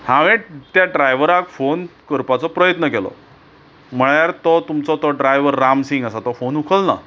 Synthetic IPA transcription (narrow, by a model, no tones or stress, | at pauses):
hãʋeʈt̪jaɖɾajʋəɾakfonkəɾpat͡sɔpɾəjət̪nəkelɔ̰ | m̤əɭjaɾt̪ɔt̪umt͡sɔt̪ɔɖɾajʋəɾːamsiŋɡəsat̪ɔfonukʰəlna̰